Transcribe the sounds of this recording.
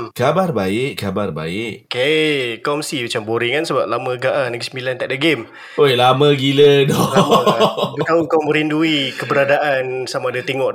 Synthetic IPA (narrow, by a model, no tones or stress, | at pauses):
kabarbaɪʔkabarba̰ɪʔkekɔmsimat͡ʃamboɾɪŋkansəbap̚lamə̃ɡaʔanəɡisəmbilant̪aʔ̚dəɡem | ojlamə̃ɡilədɔmbut̪auŋkawmə̃ɾinduikəbəɾadaʔansamaːdat̪eŋɔʔ